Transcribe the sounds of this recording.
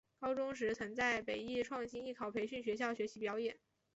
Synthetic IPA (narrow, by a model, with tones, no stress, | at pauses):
kɑ˥ʊʈ͡ʂʊ˥ŋʂ̬ɻ̩˧˥t͡sʰə˧˥ŋt͡sa˥˩ɪpe˨˩ɪi˥˩ʈ͡ʂʰwɑ˥˩ŋɕi˥ni˥˩kʰɑ˨˩ʊpʰe˧˥ɪɕy˥˩nɕ̬ɥɛ˧˥ɕ̬jɑ˥˩ʊɕɥɛ˧˥ɕi˧˥pjɑ˧˥ʊjɛ˨˩˦n